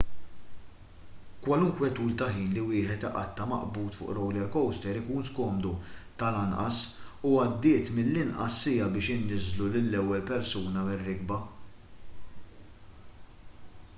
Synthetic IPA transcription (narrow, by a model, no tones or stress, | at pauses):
kwɐlʊŋkwɛt̪uːlt̪ɐħiːnliwɪːħɛt̪ɪ̰ʔɐ̰t̪ːɐmɐ̰ʔbuːt̪fʊ̰ːʔɾɔwlɛɾkɔwst̪ɛɾɪkuːnskɔːmd̪ut̪ɐlɐnʔɐ̰suɐd̪ːɪːt̪mɪlːɪnʔɐ̰sːɪːjɐbɪːʃɪnːɪzlulɪlːɛwːɛlpɛɾsuːnɐwɪrːɪɡbɐ